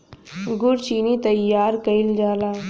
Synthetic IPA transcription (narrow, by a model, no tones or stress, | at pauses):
ɡʊɾt͡ʃiːnit̪ɐjːaːɾkɐild͡ʒaːlaː